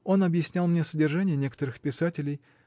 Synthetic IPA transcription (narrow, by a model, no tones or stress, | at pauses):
o̞nɐbjɪsʲnʲalˠmnʲesədʲɪrʐanʲɪjənʲe̞kə̥t̪əɾɨxpʲɪsatʲɪlʲɪj